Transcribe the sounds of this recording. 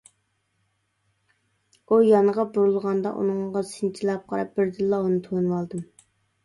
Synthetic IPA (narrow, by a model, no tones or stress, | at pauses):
ujɑnəʁɑbuɾulˠʁɑnd̪ɑ̰ʔṵnɨŋʁɑsɪnt͡ʃʰilˠɑp̚qʰɑɾɑp̚b̥ɪɾd̪ɨlːɑunɨt̪ʰonɨwɑlˠd̪ɨm